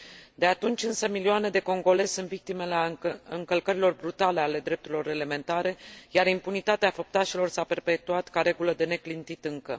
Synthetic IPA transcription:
d̪e̞at̪unt͡ʃʲɨnsəmilioane̞d̪e̞ko̞ŋɡo̞le̞sɨnt̪vik̚t̪ime̞leaɨŋkəlkəɾilo̞rbɾut̪ale̞ale̞d̪ɾe̞p̚t̪uɾilo̞ɾeleme̞nt̪aɾe̞jaɾimpunit̪at̪eafop̚t̪aʃilo̞rsape̞rpe̞t̪uat̪kaɾe̞ɡuləd̪e̞ne̞klint̪it̪ɨŋkə̰

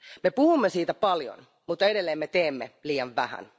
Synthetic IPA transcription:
mepuhumːesiːt̪æpɑljo̰n | mut̪ːɑeɾelːeːmmet̪eːmːeliːɑʋʋæhæ̰n

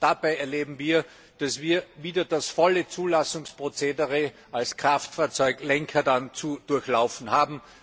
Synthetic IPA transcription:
d̥ab̥aɪɛɐleːbm̩viːɐ | d̥asviːɐviːdɐd̥asfɔlət͡suːlasʊŋspʁ̥ot͡seːdəʁe | alskʁ̥aftfaːɐt͡sɔʏklɛŋkʰɐdant͡sud̥ʊɐçlaʊfn̩haːbm̩

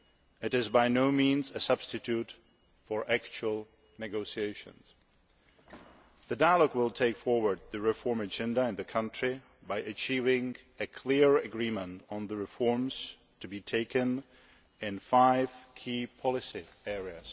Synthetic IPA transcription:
ɨɾɪzbaɪnoʊmĩːnzɨsʌb̥stɨtʰut | fə˞ʔækt͡ʃuəl̩ˠ | nɨɡoʊsieɪʃɨ̰̃nz̥ | ðɨdaɪəlɔɡwɪlˠtʰeɪkfɔɹwə˞d̪̚ðɨɹɪfɔɹmɨd͡ʒɛ̃ndəɪ̃nðɨkʰʌ̃ntɹ̥i | baɪʔɨt͡ʃʰiːvɪ̃ŋɨkʰl̥ɪɹɨɡɹĩmə̃ntn̩ðəɹɨfɔɹmz̥ | tʰɨbitʰeɪkɨ̃n | ɪ̃nfaɪv̥kʰiːpʰɑlˠɪsiɛɹiɨz̥

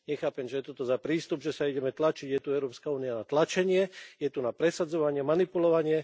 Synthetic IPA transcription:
ɲɛxaːpɛmʒɛjɛt̪ɔt̪ɔzapɾiːst̪ubʒɛsaiɟɛmɛt̪lat͡ʃiɟjɛt̪uɛʊɾɔːpskauːnijanat̪lat͡ʃɛɲɪɛjɛt̪unapɾɛsad͡zɔʋaɲɪɛmanipulɔʋaɲɪɛ

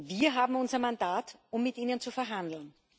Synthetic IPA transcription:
viːɐɦaːbm̩ʊnzɐmandaːtʔʊmːɪtʔiːnənt͡sufɛɐɦandl̩n

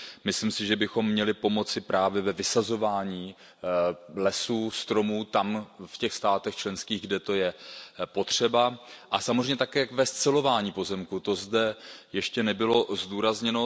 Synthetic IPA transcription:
mɪslimsɪʒɛbɪxo̞mːɲɛlɪpo̞mo̞t͡sɪpɾʔaːvjɛvɛvɪsazo̞vaːɲiː | lɛsuːst̪ɾo̞muːt̪amfcɛxst̪aːt̪ɛxt͡ʃlɛnskiːɣɡdɛt̪o̞jɛpo̞t̪r̝̥ɛbaʔasamozreɛjɲːɛt̪akɛːkvɛst͡sɛlo̞vaːɲiːpo̞zɛmkut̪o̞zdɛjɛʃcɛnɛbɪlo̞zduːɾazɲɛno̞

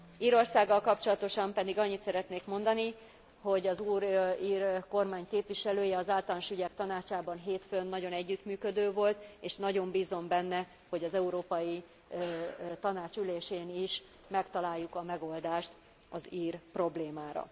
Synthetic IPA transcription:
iːɾo̞rsaːɡːɒlkɒpt͡ʃo̞lɒt̪o̞ʃɒmpɛd̪iɡɒɲːit̪sɛɾɛt̪neːkmo̞nd̪ɒni | ho̞ɟɒzuːɾiːrko̞rmaːɲkeːpʋiʃɛløːjɛɒzaːlt̪ɒlnʃyɟɛk̚t̪ɒnaːt͡ʃaːbɒnɦeːt̪fønːɒɟo̞nɛɟːyt̪myːkød̪øːvo̞lt̪eːʃnɒɟo̞mbiːzo̞mbɛnːɛ | ho̞ɟɒzɛuɾoːpɒji | t̪ɒnaːt͡ʃyleːʃeːniʃ | mɛkt̪ɒlaːjːukɒmɛɡo̞ld̪aːʃt̪ | ɒziːrpro̞bleːmaːɾɒ̰

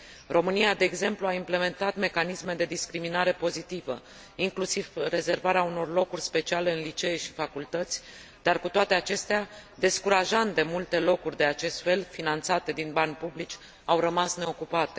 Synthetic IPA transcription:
ro̞mɨniad̪e̞ːɡze̞mpluaimple̞me̞nt̪at̪me̞kanisme̞d̪e̞d̪iskɾiminaɾe̞po̞zit̪ivə | iŋklusivre̞ze̞rvaɾeauno̞rlo̞kurʲspe̞t͡ʃiale̞ɨnlit͡ʃe̞ːʃi̥fakult̪ət̪sʲ | d̪̥arkut̪oat̪e̞at͡ʃe̞st̪ead̪e̞skuɾaʒant̪d̪e̞mult̪e̞lo̞kurʲd̪e̞at͡ʃe̞st̪fe̞lfinant̪sat̪e̞d̪inbanʲpublit͡ʃʲ | awɾəmasne̞o̞kupat̪e̞

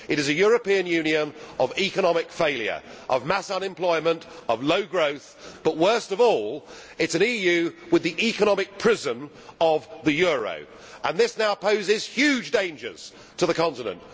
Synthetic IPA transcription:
ɨɾɨzɨjɔɹəpĩə̃njʉ̃niə̃nəvikənɑmɪkfeɪlˠjə̰˞ʔəvmasʌ̃nɨ̃mpʰl̥ɔɪmə̃ntəvləʊɡɹoʊθ | b̥ʌʔ̚wɜˑ˞stʌvɔːlˠ | ɪtsɨ̃nijʉwɪðiʔikənɑmɪk̚pʰɹ̥ɪzə̃n | əvðɨjɔɹə̰ʊ | ʔə̃nðɪsnaʊpʰəʊzɪz̥hjʉd͡ʒdẽɪ̃nd͡ʒə̰˞z̥ | tʰəðəkʰɑ̃ntɨnə̰̃nʔ

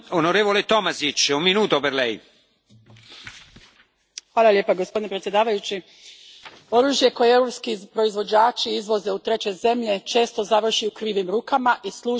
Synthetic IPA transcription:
onoɾeːvolet̪ɔmasit͡ʃumːinuːt̪opeɾlɛj | ʋaːlaljeːpaɡospd̪inepɾet̪sje̞d̪aːʋajut͡ʃi | o̞ɾuːʒje̞ko̞jeeɾopskipɾo̞izʋo̞d͡ʑaːt͡ʃiizʋo̞ze̞ut̪ɾe̞t͡ɕe̞ze̞mʎe̞t͡ʃe̞ːst̪o̞zaʋr̩ʃiukɾiːʋimɾuːkamaʔislˠuː

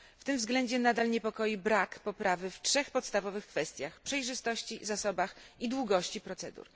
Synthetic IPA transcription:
ft̪ɘmvzɡlɛɲd͡ʑɛnad̪alɲɛpɔkɔjibɾakpɔpɾavɘftʂɛxpɔt̪st̪avɔvɘxkfɛst̪ʲjaxpʂɛjʐɘst̪ɔɕt͡ɕizasɔbaxid̪wuɡɔɕt͡ɕipɾɔt̪sɛd̪ṵɾ

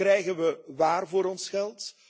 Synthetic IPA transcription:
rɛjɣənʋəʋaːrvoːɾɔnsχɛlˠt

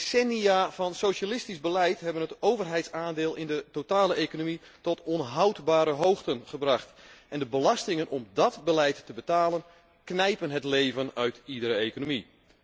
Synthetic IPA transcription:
sɛniaːvɑnsowʃalɪstizbəlɛjtɦɛbənətowvərɦɛjtsaːndɪːlˠɪndətotaːləʔejkonomi | tɔtɔnɦawtbaːɾəɦowxtənχəbrɑχtɛndəbəlɑstɪŋənʔɔmdɔtbəlɛjtːəbətaːlən | knɛjpənɦətlejvənœɥtidəɾəekonomi

